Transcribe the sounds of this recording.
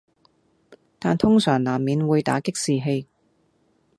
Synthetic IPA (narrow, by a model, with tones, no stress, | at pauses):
t̪aː˨nt̪ʰʊ˥ŋsœː˨˩ŋlaː˨˩mːiː˨˧nwuː˨˧jt̪a̰ː˨˥kɪ˥k̚siː˨ɦe˧j